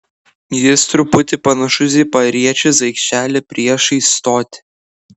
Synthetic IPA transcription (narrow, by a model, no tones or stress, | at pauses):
jɪst̪ɾʊpʊt̪ʲɪpɐnɐʃʊzʲɪːpɐɾʲiɛt͡ʃʲʊsɐɪkʃʲt͡ʃʲæːlʲɛpʲɾʲiɛʃiɪst̪oːt̪ʲɪ̥